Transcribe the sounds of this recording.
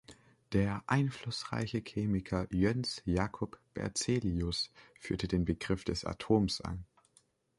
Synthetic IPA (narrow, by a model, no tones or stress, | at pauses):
d̥eːɐʔaɪnflʊsʁa̰ɪçəçʰeːmɪkʰɐjɛnsjaːkʰɔpb̥ɛ̰ɐt͡seːliʊsfyːɐtədeːnbəɡʁɪfd̥ɛsa̰tʰoːmsʔa̰n